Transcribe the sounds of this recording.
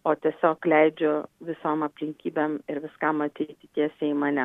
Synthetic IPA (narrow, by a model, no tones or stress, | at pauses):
oːt̪ʲiɛsʲoːklʲɛɪd͡ʒʲʊʋʲɪsoːmɐpʲlʲɪŋʲkʲiːbʲemɪɾʋʲɪskɐmɐt̪ʲɛɪt̪ʲɪt̪ʲiɛsʲɛːmɐnʲɛ